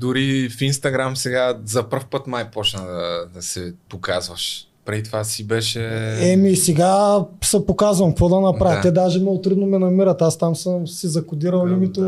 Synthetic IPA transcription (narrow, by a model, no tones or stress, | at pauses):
d̪ʊɾifinst̪ɐɡɾamsɛɡazɐprfpɤt̪majpɔt͡ʃnəd̪ɐd̪ɐsɛpokazvɐʃ | pɾɛd̪it̪vasibɛʃɛɛmisɛɡasɐpokazvɐmkvɔd̪ɐnɐpɾavt̪ɛd̪aʒɛmɔot̪ɾud̪nomɛnɐmiɾət̪ast̪amsəmsizɐkʊd̪iɾɐlˠlimit̪o